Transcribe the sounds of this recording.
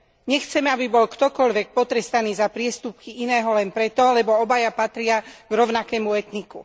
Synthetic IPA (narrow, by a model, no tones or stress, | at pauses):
ɲɛxt͡sɛmɛabibɔlkt̪ɔkɔʎʋɛk̚pɔt̪ɾɛst̪aniːzapɾɪɛst̪up̚kiinɛːɦɔlɛnpɾɛt̪ɔlɛbɔɔbajapat̪ɾɪaɡ̥ɾɔʊnakɛːmuɛt̪nikṵ